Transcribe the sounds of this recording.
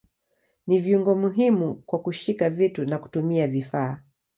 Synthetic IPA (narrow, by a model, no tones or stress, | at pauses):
niviuŋɡɔmuɦimukwakuʃikavitunaku̥tumiavifaː